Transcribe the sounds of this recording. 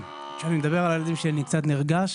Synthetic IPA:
ʃanimed̪abe̞ʁalajelad̪imʃenikt͡sat̪niʁɡaʃ

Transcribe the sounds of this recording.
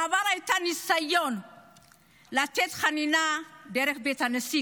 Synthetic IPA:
abaɾajtanisajon | latetxaninadeɾekbetanəsi

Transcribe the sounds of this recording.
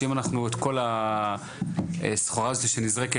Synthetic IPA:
imanaχnuet̪ko̞la | esχoʁaziʃenizʁeke

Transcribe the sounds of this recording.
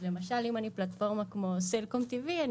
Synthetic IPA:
le̞maʃalimaniplat̪fo̞ʁmakmo̞selkomt̪ivian

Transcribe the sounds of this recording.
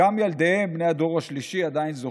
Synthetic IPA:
amjald̪eembne̞jad̪o̞ʁaʃliʃiad̪ainzo

